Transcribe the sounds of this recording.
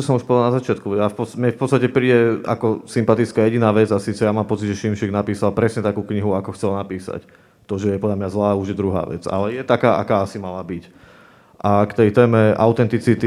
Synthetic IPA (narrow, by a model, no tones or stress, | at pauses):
ɔsɔmuʃpɔd̪lnazat͡ʃɪat̪kujafpɔmɲɛfpɔtt͡sst̪acɛpɾiːɟɛa̰kɔsimpat̪it͡skaːjɛɟinaːʋɛd͡zasiːt͡sɛjamaːmpɔt͡siɟʒɛʃimʃiɡnapiːsalpɾɛsɲɛt̪akuːkɲiɦuakɔxt͡sɛlnapiːsa̰c | t̪ɔʒɛjɛpɔd̪lʎamɲazlaːuʒjɛd̪ɾuɦa̰ːʋɛ̰d͡za̰lɛjɛt̪akaːʔa̰kaːasimalabic | ʔakt̪ɛjt̪ɛːmɛʔa̰ʊt̪ɛnt̪it͡sit̪i